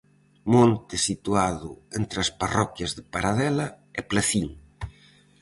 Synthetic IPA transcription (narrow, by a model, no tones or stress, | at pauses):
mõnt̪ɪsit̪uaðʊent̪ɾasparɔkjazðepaɾaðɛla | ɛplaθiŋ